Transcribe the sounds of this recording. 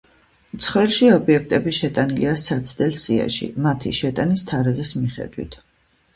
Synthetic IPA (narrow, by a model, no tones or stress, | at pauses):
mt̪sʰχwɛlˠʃiɔbiɛk̚ʰt̪ʼɛbiʃɛt̪ʼaniliasat̪sʰd̪ɛlsia̰ʃḭmat̪ʰḭʃɛt̪ʼanist̪ʰaɾiʁismiχɛ̰d̪wḭt̪ʰ